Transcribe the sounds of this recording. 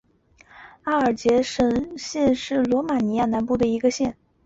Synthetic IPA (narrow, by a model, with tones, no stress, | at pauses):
a˥˩ə˞˨˩t͡ɕjɛ˧˥ʂə˨˥˩nɕjɛ˥˧nʂɻ̩˥˩lwɔ˧˥ma˨˩ni˧˥ja˥˩na˧˥npu˥˩d̪ə˩i˧˥ɡə˧ɕjɛ˥˩n